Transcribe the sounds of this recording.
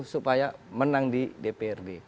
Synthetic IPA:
hsupajamənaŋdidepeɛrde

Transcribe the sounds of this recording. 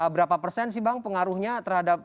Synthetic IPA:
əbəɾapapərsɛns̬ibaŋpəŋaɾuhɲat̪ərhadap̚

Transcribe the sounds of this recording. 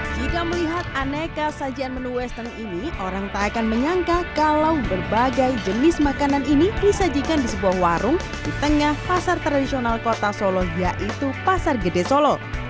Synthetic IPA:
d͡ʒikaməliɦat̪̚anekasad͡ʒianmənuwɛst̪əniniʔoɾaŋt̪aakanməɲaŋkakalawbərbaɡajd͡ʒənɪsmakananinidisad͡ʒikandisəbuahwaɾʊŋ | d̥it̪əŋahpasart̪ɾadisionalkot̪asolɔjaʔit̪upasarɡədesolɔ

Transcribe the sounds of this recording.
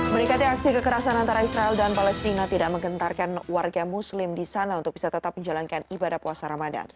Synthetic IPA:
mənikat̪iak̚sikəkəɾasanant̪aɾaisɾaɛldanpalɛst̪inat̪idaʔ̚məŋɡənt̪arkanwarɡamuslɪmdisanaunt̪ʊk̚bisat̪ət̪ap̚məɲd͡ʒalankanibadahpuasaɾamada̰n

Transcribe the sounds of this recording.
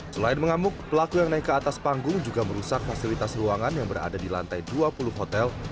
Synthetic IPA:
səlaɪnməŋamʊk̚pəlakujaŋnaɪkːəat̪aspaŋɡʊŋd͡ʒuɡaməɾusak̚fasilit̪asruaŋanjaŋbəɾa̰dadila̰nt̪ajduapulʊhɦot̪ɛl

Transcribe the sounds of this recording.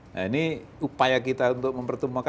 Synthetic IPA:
a̰ini | upajakit̪aunt̪ʊk̚məmpərt̪əmuaka

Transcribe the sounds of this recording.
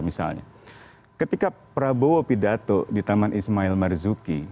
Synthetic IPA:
misa̰lɲa̰ | kət̪ikapəɾaboopidat̪odit̪amanʔismailmɛrzuki

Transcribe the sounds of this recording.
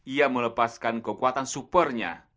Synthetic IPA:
ʔijamələpaskankəkuat̪ansupərɲa̰

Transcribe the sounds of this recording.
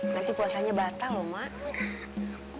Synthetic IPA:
nant̪ipuasaɲabat̪alɔmaʔ

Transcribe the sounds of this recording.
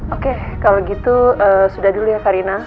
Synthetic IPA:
ʔokekaloɡit̪uəːsudahdulujakaɾina

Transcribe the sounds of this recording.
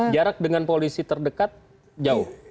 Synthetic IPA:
d͡ʒaɾak̚dəŋanpolisit̪ərdəkat̪̚ | d͡ʒaʊh

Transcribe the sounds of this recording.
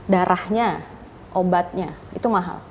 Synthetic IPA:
daɾʔahɲa | ʔobat̪̚ɲait̪umaɦa̰l

